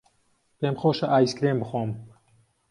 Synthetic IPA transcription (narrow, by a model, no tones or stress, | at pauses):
peːmxoːʃɐʔaːjiskɾembɨxoːm